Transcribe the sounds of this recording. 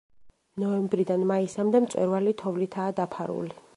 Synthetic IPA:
nɔɛmbɾid̪anmaisamd̪ɛmt̪sʼwɛ̰ɾvalit̪ʰɔvlit̪ʰaːd̪apʰaɾṵli

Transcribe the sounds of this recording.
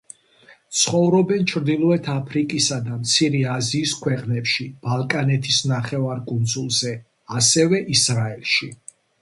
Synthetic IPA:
t̪sʰχɔvɾɔbɛnt͡ʃʰɾd̪ilˠɔɛt̪ʰapʰɾikʼisad̪amt̪sʰiɾɛaziːskʰwɛqʼnɛpʃib̥alˠkʼanɛt̪ʰisnaχɛvaɾkʼund̪zulˠzɛ | asɛvɛʔisɾaɛlˠʃi

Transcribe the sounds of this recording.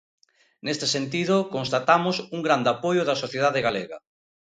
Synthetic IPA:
nest̪e̥sent̪iðʊkonst̪at̪amʊsuŋɡɾand̪apojʊðɐsoθjeðaðeɣaleɣɐ̰

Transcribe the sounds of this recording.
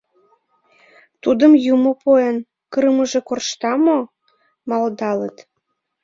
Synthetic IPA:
t̪ud̪əmjumopoən | kərməʒĕkorʃt̪ɑmo | mɑld̪ɑlət̪

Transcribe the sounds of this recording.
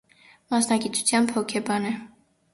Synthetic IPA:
mɑsnɑɡit̪u̥t͡sʰjɑnpʰɔkʰɛbɑnɛ

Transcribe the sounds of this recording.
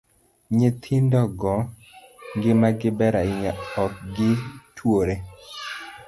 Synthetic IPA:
ɲɪt̪ʰɪndɔɡɔ | ŋɡɪmaɡɪbɛɾaɪɲaɔk̚ɡɪtʰwoɾe

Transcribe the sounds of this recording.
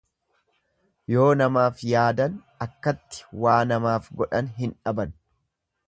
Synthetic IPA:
jo̞ːnɐmaːfjaːd̪ɐn | ɐkːɐt̪ːɪ̥waːnɐmaːfɡɔᶑɐnɦɪnᶑɐbɐn

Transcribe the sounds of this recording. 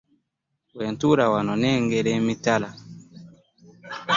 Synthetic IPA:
wɛntuɾawanɔnɛŋɡɛɾɛmitala

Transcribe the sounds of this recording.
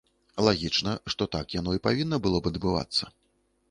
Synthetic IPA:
lˠaɣʲit͡ʂnɐʂt̪ɔt̪akjanɔipavʲinːɐbɨlˠɔbɐd̪bɨva̰t̪sːɐ

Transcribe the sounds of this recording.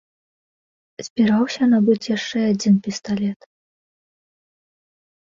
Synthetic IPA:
z̥ʲbʲiɾawsʲɐnabɨt͡sʲjaʂt͡ʂɛad͡zʲinpʲist̪alʲɛt̪

